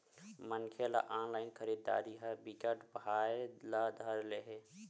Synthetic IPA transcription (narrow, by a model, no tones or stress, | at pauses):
mənkʰela̰ʔanlaɪnkʰəɾid̪ːa̰d̪iɦəbikəʈbaelad̪ʱəɾleɦe